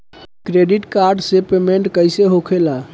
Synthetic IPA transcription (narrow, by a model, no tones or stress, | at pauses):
kɾeɖiʈkaɾɖsepemeɳʈkəjseɦokʰela